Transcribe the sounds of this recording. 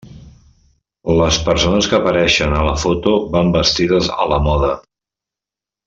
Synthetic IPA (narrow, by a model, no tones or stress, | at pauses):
ləspəɾsonəskəːpəɾɛʃənələfot̪oβambəst̪iðəzə̰ləmɔðə